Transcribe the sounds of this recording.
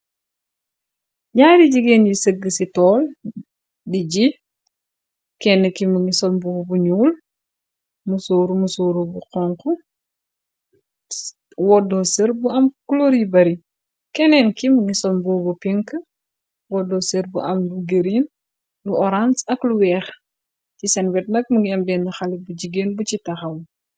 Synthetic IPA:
ɲaːdiɟiɡeːnjisəɡːəsitɔːl | diɟi | kɛnːəkimuŋisɔmbubuɲuːl | musoːɾumusuːɾubuqɔŋku | wɔdɔsəɾbuɐmkuloɾibɐɾi | kɛnɛːnkiməŋisɔmbubupiŋk | wɔdɔsəɾbuʔɐmluɡeɾin | luɔɾansɐkluwɛːx | cisɐnwɛt̚nɐk̚muŋɡiɐmbɛːndɐxɐlibuɟiɡenbucitɐxɐw

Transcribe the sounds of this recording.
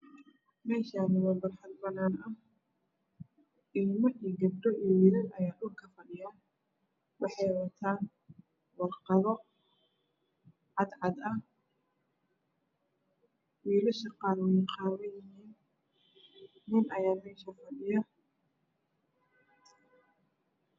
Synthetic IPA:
mɛːʃaːnɪwɐːmbɐrħɑd̪̚bɐnaːnɐh | ʔɪlmɐʔiːɡɐb̚ɖ̪ɔʔijwiːlɪnɐjaːɗʊlkʰɐfɐɗɪjaːn | wɑħɑjwɐt̪ʰaːn | wɑrqɑðɔ | ʕɑd̪ʕɑd̪ɐh | wiːlɐʃɐqɑːlwɛjqɑːɾɐjɪɦiːn | ɪnʔɐjaːmɛːʃɐfɐɗɪjɐ

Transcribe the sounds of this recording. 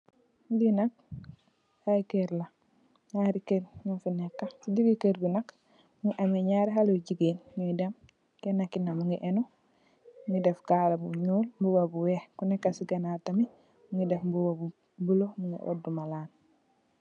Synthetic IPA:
dinak̚ | haikeɾla | ŋaɾikeɾɲofinekːasidiɡikeɾbunak | muŋiʔameɲaɾiɦaloɟiɡinmudam | kenakːinamuŋiʔeno | muŋidefkalabuɲuːlmbuwabuwehkunekːasiɡenatami | muŋidefbuwabu | bulomuŋḭʔo̰dumalaːn

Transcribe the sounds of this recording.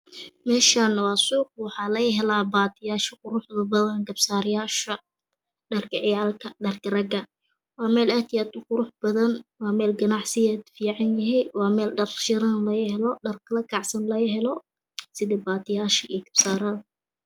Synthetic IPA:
mɛːʃanwɑːsuːq̚wɑħɑːlɐjɪɦɛlaːbaːt̪ʰɪjaːʃɐqʊɾʊħðɐbɐðɐnɡɐbsaːɾɪjaːʃɐ | ɖɐrkʰɐʕɪjaːlkʰɐɖɐrkʰɐrɐɡɐ | wɑːmɛːlɛːt̪ʰɪjaːd̪ʊqʊɾʊħbɐðɐnwɑːmɛːlɡɐnɑʕsɪjɛːd̪fiːʕɑnjɪɦɛjwɑːmɛːlɖɐrʃɪɾɐnlɐjhɛlɔɖɐrkʰɐlɐkʰɑʕsɐnlɐjɦɛlɔ | sɪðɛbaːt̪ɪjaːʃɐʔiɡɐb̥saːɾɐð

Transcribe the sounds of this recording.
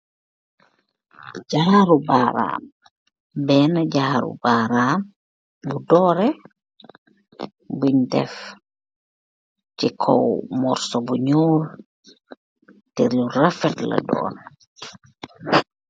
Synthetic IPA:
d͡ʒaːɾubaːɾa̰ːm | bɛnad͡ʒaːɾṵbaɾaːm | budɔːɾɛ | bundɛ̰f | tikʰɔ̰wmɔɾsɔbuɲoːl | tɛɾjurafɛtla̰dɔ̰ːn

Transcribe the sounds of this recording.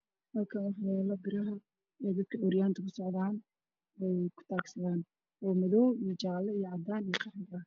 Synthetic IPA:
hɐlkʰɐnħɐβɛːlɐbɪɾɐɦɐ | ɛd̪ɐd̪̚kʰɐʔɔɾjaːnt̪ʰɐkʰʊsɔʕðaːn | wɛjkʰʊ̥t̪ʰaːksɐðaːn | ɔːmɐðɔːwijɞt͡ʃaːlɐijɞʕɑd̪aːnijɔqʰɑħɡɐɐ

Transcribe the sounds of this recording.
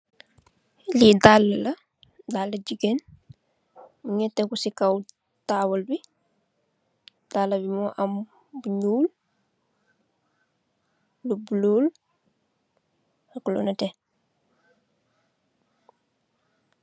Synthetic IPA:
lidalːɐlɐ | dalːɐɟiɡen | muɲɛtːekusikaw | tawɐlbi | d̥aːlːɐbimoʔam | buɲuːl | ubulul | hakulṵnɐte

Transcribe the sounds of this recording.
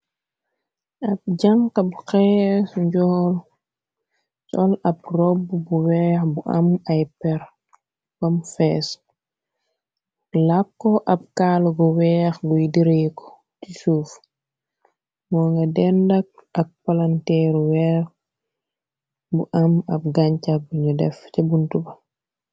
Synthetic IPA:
ɐb̚ɟaŋkɐbxɛːsɲɟɔːl | sɔlɐb̚rɔbbuwɛːxbuʔɐ̰mɐjpɛɾ | b̥ɐmfɛs | lakːɔʔɐp̚kaːlɡɔwɛxɡujidiɾekɔ̥ | tisuːf | mɔːŋɡɐdɛndɐk̚ɐk̚palantɛɾwɛːx | buʔamɐb̚ɡaɲcabuɲudɛ̰fcɐbuntubɐ

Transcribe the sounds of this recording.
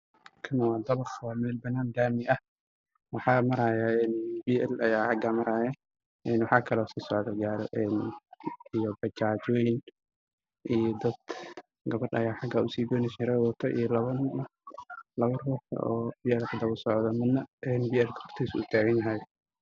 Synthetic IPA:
kʰɐnɐwɑːd̪ɐβɐχwɑːmɛːlbɐnːaːnd̪aːmɪʔɐh | wɑħɑːmɐɾaːjaɛnbiʔɛlɐjaːħɑɡamɐɾaːjɛ | ʔɛnwɑħɑːkʰɐlɔːsiːsɔʕd̪ɐɡaːɾɔ̰ʔɛːn | ijɔbɐt͡ʃaːt͡ʃɔːjɪn | ʔijɔd̪ɐd̪̥ | ɡɐβɐɖɐ̰jaːħɑɡaʔʊsiːbɔːnɪʃɪɾɛwɔːt̪ʰɔʔḭjɔlɐβɐn | lɐβɐrɔːħʰɐ̰ʔɔːbiːɛlkʰɐd̪ɐβʊsɔʕd̪ɐmɪd̪nːɐʔɛːnbiːɛlkʰhɔrt̪ʰisʊ̰t̪ʰaːɣɐnɐɦaj

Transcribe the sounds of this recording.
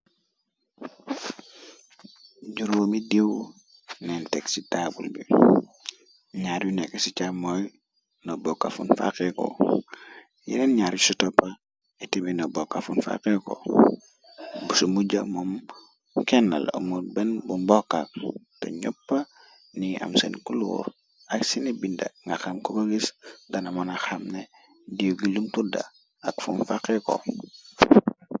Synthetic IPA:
ɟuɾuomidiw | nenteksitabṵlbi | ɲaɾjunekesit͡ʃamoj | nobokːa̰fṵnfa̰keko̰ | jḭɾenɲaːɾjusutopːa | etibinobokːafunfa̰keko̰ | busumuɟamom | kenːa̰lṵmuɾbenbunbokːak̚to̰ɲopːa | nia̰msḛnkulṵːɾ | aksinebindaŋɡaxamkobaɡisdanamonaxamne | dijoɡilumtuda̰ | akfṵnfakeko̰

